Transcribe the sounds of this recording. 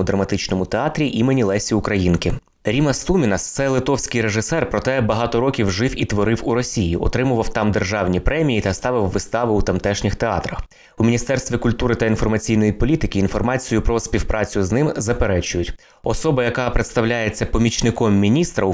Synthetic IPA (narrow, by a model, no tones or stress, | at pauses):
ʊd̪ɾɐmɐt̪ɪt͡ʃnɔmʊt̪eɑt̪ɾʲiʔimenʲilˠɛsʲiʊkɾɐjinkɪ | ɾʲimɐst̪umʲinɐst̪sɛlˠɪt̪ɔwsʲkɪjɾeʒɪsɛrpɾɔt̪ɛbɐɦɑt̪ɔɾɔkʲiwʒɪwit̪ʋɔɾɪwuɾɔsʲijḭɔ̰t̪ɾɪmʊʋɐwt̪ɑmd̪erʒɑwnʲipɾɛmʲijit̪ɐst̪ɑʋɪwːɪst̪ɑʋɪut̪ɐmt̪ɛʃnʲɪxt̪eɑ̰t̪ɾɐx | umʲinʲist̪ɛrst̪ʋʲikʊlʲt̪uɾɪt̪ɐinfɔrmɐt͡sʲijn̪ɔjipɔlʲit̪ɪkʲɪːnfɔrmɑt͡sʲijʊpɾɔsʲpʲiwpɾʔɑt͡sʲʊznɪmzɐpeɾɛt͡ʃʊjʊtʲ | ɔsɔbɐjɐkɑpɾet̪st̪ɐwlʲajet͡sʲːɐpɔmʲit͡ʃnɪkɔmːʲinʲist̪ɾɐ